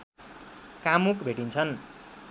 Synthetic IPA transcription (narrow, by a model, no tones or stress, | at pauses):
kamukbʱeʈint͡sʰʌn